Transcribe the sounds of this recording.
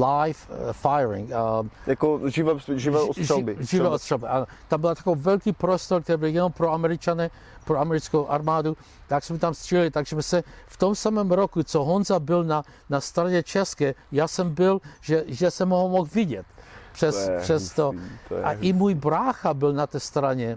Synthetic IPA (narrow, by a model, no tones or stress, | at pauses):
lajffajɾɪ̰ŋjakoʒɪvɛʒɪvɛːʒʃabɪʒɪvɛːost̪rabɪʔanot̪ambɪlat̪ḁkovɛlkipɾost̪oɾk̚t̪ɛɾibɪljɛnompɾoamɛɾɪt͡ʃanɛ | pɾoamɛɾɪt͡skowʔaɾmaːd̪u | t̪aksmɛt̪amst̪r̥ilɪt̪aɡʒɛmɛsɛft̪omsamɛːmɾokut͡soɦonzabɪlna | nast̪ɾaɲɛt͡ʃɛskɛːjaːsɛmbɪlʒɛʒɛsɛmoɦmoxvɪɟɛt̪pʂɛspɛst̪ot̪ʔa̰ʔɪmuːjbɾaːxabɪlnat̪ɛːst̪ɾaɲɛ